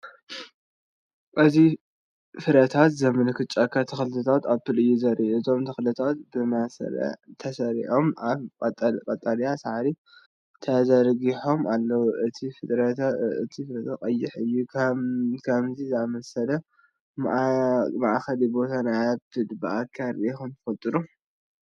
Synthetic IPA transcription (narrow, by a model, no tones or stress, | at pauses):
ʔɨzi | fɨɾɐt̪ʰat̪zɐmɨnɐkʰɨt͡ʃʼːakʰːat̪ʰɐxɨlɨt̪ʰɐt̪ʰat̪aβfɨlɨjːuzɐɾʔiʔzʰo̞mt̪ʰɐxɨlɐt̪ʰat̪̚bɨmasɐ̰lɐ̰t̪ʰɐsɐɾḭħo̞maβkʼt̪ʼkʼɐt̪ʼːaljasaʕɾi | t̪ʰɐzɐɾɡiħo̞malːɐwuʔɨt̪ʰifɨd̪ɾɐt̪ɨ̰t̪ʰifɨɾɐt̪ʰakʼɐjːɪħɨjːu | kʰɐmzizɨamɐsɐlɐ̰ | maʔxɐlibo̞t̪ʰanajabɨlbɨʔakʰːaɾiʔexɨnt̪ʰɨ̥fɐt̪ʼɨnu